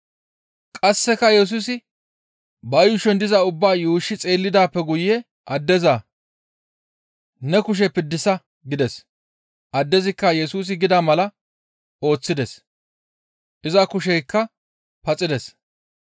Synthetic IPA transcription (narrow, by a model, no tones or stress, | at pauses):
kʼɐsːɛkːɐjɛs̬uːs̬ɪ | bɐjʊʃɛnd̪ɪzɐʊbːaːjuːʃːɪt͡sʼe̞ːlːɪd̪aːpːɛɡʊjːɛ | ʔɐd̪ːɛza | nɛkʊʃ̬ɛpɪd̪ːɪsɐ | ɡɪd̪ɛs | ʔɐd̪ːɛzɪkːɐjɛsuːs̬ɪɡɪd̪amɐlɐ | o̞ːt͡sːɪd̪ɛs | ʔɪzɐkʊʃ̬ɛjkːɐ | pɐt͡sʼɪd̪ɛs